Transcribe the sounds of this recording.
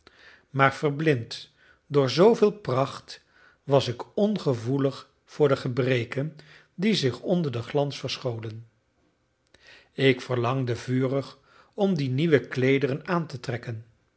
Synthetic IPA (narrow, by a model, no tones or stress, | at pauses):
maːɹv̥ərblɪnt | dʊːɹzowvɪːlˠprɑχt | ʋɑsɪkɔnχəvuləχ | fʊːɹdəχəbrejkən | dizɪχɔndəɹdəχlɑnsfəɹsχowdən | ɪkfəɹlɑŋdəvyːrəχ | ɔmdiniʋəklejdərənaːntətrɛkən